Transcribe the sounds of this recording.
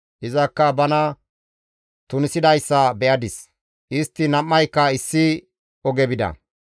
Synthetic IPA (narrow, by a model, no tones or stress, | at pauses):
ʔɪzɐkːɐbɐnɐ | t̪ʊnɪsɪd̪ɐjsːɐbɛʔɐd̪ɪs | ʔɪst̪ːɪnɐmːɐjkːɐɪsːɪ | ɔɡɛbɪd̪ɐ̰